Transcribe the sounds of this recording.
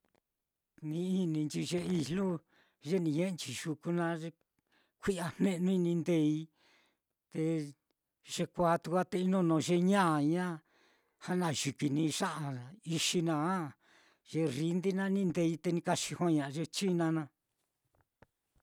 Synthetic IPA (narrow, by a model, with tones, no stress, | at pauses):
nĩ˧i˦nĩ˧nt͡ʃi˧ʒe˧i˧lu˦ | ʒe˦nĩ˧ɲẽ˦˧nt͡ʃi˨ʒu˧ku˧nã˧ʒe˧ | kʷi˦a˧n̥ẽ˦˧nũ˦˧nĩ˧nd̪e˧i˧ | t̪e˧ | ʒe˧kʷaː˧˦t̪u˧kʷa˦t̪e˧i˧˦nõ˦nõ˨˧˨ʒe˧ɲã˦˨ɲã˦ | ha˦nã˧˨ʒi˨ki˨nĩ˧ʂã˦ʔã˧i˧ʃi˧nã˧a˦ | ʒ̥e˧ri˧nd̪i˦nã˦nĩ˦˧nd̪e˧i˧t̪e˧nĩ˧ka˧ʃi˧hõ˦ɲã˨˧ʒe˧t͡ʃi˦nã˧nã˧